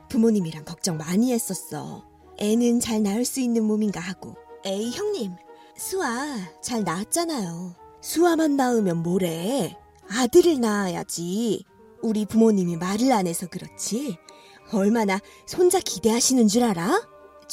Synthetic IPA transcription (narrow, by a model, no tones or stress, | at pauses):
pumoɲimiɾaŋkʌk̚t͡ɕ͈ʌŋmaɲiɦe̞s͈ʌs͈ʌ̰ | e̞nɯnt͡ɕaɭnaɯɭs͈uinːɯnmuminɡahaɡ̥o̰e̞içjʌŋɲim | sʰuat͡ɕaɭnaːt̚t͡ɕ͈anajosʰuamanːaɯmjʌnmoɾe̞ | adɯɾɯɭnaːja̰d͡ʑi | uɾipumoɲimimaɾɯɭane̞sʰʌkɯɾʌt͡ɕʰi | ʌɭmana | sʰond͡ʑakide̞ɦaɕʰinɯnd͡ʑuɾaɾa